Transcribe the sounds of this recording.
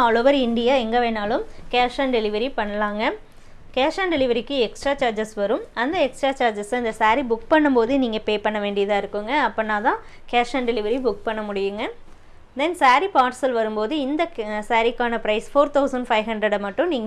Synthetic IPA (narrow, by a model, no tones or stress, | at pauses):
ɔːloːʋɐɾɪɳɖɪjaːɛŋɡɐʋeːnaːlɯmkeːɾʂanɖɛlɪʋɐɾipɐɳːɐlaːŋɡɐ | keːʂaːɳɖɛlɪʋɐɾɪkːɯɛksʈɾaːt͡ʃaːɾd͡ʒɐsʋɐɾɯmɐnd̪ɐɛksʈɾaːt͡ʃaːɾd͡ʒɐsɐɐnd̪ɐsaːɾibʊkpɐɳːɯmpoːðɯniːŋɡɐpeːpɐɳːɐʋeːɳɖɪjɐðãːɪɾɯkːɯŋɡɐːpːɐnãːt̪ãː | keːɾʂanɖɛlɪʋɐɾibʊk̚pɐɳːɐmʊɽɪjɯŋɡɐ | d̪ɛnsaːɾipaːʈsɐlʋɐɾɯmpoːðɯɪnd̪ɐsaːɾɪkːaːnɐpɾɐɪsfoːɾt̪ʰɐʊsɐɳɖfɐɪʋɦɐɳɖɾɐɽmɐʈːɯ̃niːŋɡɐ